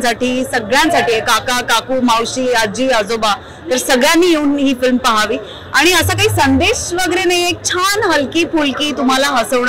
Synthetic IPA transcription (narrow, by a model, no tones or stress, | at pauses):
saʈiːsəɡɭjãnsaʈiːjekakakakuːmawɕiːad͡ʑiːad͡zoba | t̪əɾsəɡɭjanːiːjeuːnɦiːfilmpəɦaʋiː | aɽ̃iəsakaɦiːsənd̪eɕʋəɡəɾenaɦiek̚t͡ɕʰanɦəlkiːpulkiːt̪um̤alaɦəsəʋɳ